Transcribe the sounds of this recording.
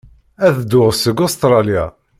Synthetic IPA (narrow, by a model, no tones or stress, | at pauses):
æθəd̪ːʊʁəsəɡost̪ɾˤɑlja̰